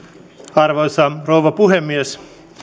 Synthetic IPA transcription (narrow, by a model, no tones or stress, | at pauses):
ɑrʋosɑrouʋɑpuɦemːies